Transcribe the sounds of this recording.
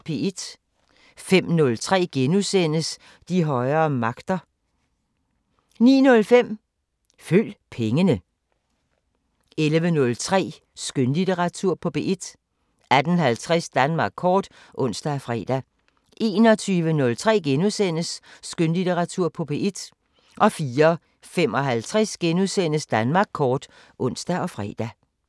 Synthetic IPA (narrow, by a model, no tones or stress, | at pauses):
pʰe̝ed̥ | fem̰nɔ̽lt͡sʰʁɛ̰ːɡ̥enusen̰əs | d̥iɦɒ̽ɪɐːmɑ̈ɡ̥d̥ɐ | nḭːnɔ̽lfem̰ | føl̰pʰeŋənə | elʋənɔ̽lt͡sʰʁɛ̰ː | sɡ̥ønlit͡seʁɑ̈t͡sʰuɐ̰pʰɒ̽pʰe̝̰ːʔed̥ | æd̥ənɦælt͡sʰʁɛsd̥ænmɑ̈ːɡ̥̚ʰɒːd̥ | ʔɔ̽n̰sd̥æfʁɛ̰ːd̥æ | ʔe̝̰ːnɒ̽t͡sʰyːʋənɔ̽lt͡sʰʁɛ̰ːɡ̥enusen̰əsːɡ̥ønlit͡sʰeʁɑ̈t͡sʰuɐ̰pʰɒ̽b̥e̝ʔed̥ | ʔɒ̽fiːɐ | fem̰ɒ̽ɦælt͡sʰʁɛsɡ̥enuðˠsen̰əsd̥ænmɑ̈ːɡ̥̚kʰɒːd̥ | ʔɔ̽n̰sd̥æɒ̽fʁɛ̰ːd̥æ